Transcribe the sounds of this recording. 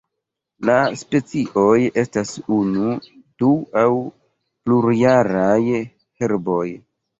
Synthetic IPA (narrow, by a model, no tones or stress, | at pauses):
laspe̞t͡siʔo̞je̞stasunu | d̥uaw | pluɾjaɾaj | heɾbo̞j